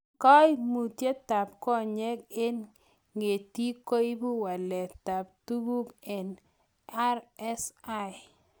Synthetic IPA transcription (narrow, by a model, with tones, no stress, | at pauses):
kɔ˦jmu˨tje˦ta˨p̚kɔ˦ɲɛ˦ke˦n | ŋe˨ti˦ko˦ji˦bu˦wa˨lɛ˨ta˨p̚tu˦ɡu˦pɛ˨n | a˦ɾɛ˦sa˦j